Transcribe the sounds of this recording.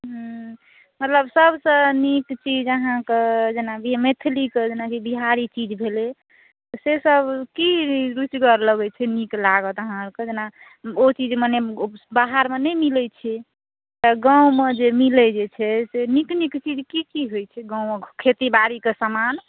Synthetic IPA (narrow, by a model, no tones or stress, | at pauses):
ɦ | mət̪ləbsəbsə̃nikt͡ʃid͡ʒəɦãked͡ʒenabimet̪ʰliked͡ʒenakibiɦaɾit͡ʃid͡ʒbʱele | t̪ɔsesəbkiɾut͡ʃɡəɾləɡɛt͡ʃʰɛniklaɡət̪əɦãked͡ʒena | ot͡ʃid͡ʒmanebaɦaɾmenɛjmilɛt͡ʃʰɛ | t̪ɔɡãũmed͡ʒemilɛd͡ʒet͡ʃʰɛseniknikt͡ʃid͡ʒkikiɦojt͡ʃʰɛɡãwmekʰet̪ibaɾikesəman